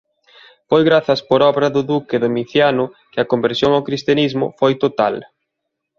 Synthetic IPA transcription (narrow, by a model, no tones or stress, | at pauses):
fojɣɾaθɐspoɾɔβɾɐðʊðukɪðomiθjanʊ | kɪɐkombeɾsjoŋawkɾist̪janizmʊ̰fojt̪ot̪al